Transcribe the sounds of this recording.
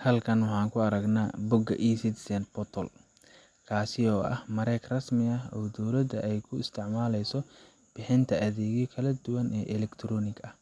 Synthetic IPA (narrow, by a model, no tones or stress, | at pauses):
hɐlkʰɐnwʊħɑːŋkʰʊɐɾɐɡnaːbʊɡɐ̰ʔiːsɪt̪sɛnbɔt̪ʰɔl | kʰaːsɪɔːʔɐ̰hmɐɾɛkrɐsmɪɐɦɔːd̪ɔwlɐd̪ɐʔɛjkʰʊɪst̪ʰɪʕmaːlɛjsɔ | b̥ɪħɪnt̪ʰɐʔɐðɛːɣjɔkʰɐlɐd̪ʊwɐnɛːʔɛlɛkt̪ʰɾɔːnɪɡɐh